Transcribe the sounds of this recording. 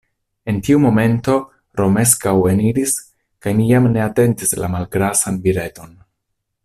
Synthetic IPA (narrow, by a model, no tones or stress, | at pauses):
e̞ntiumo̞me̞nto̞ | ɾome̞s̬kawe̞niɾis | kajmijamne̞ate̞ntisla̰malɡɾasanbiɾe̞to̞n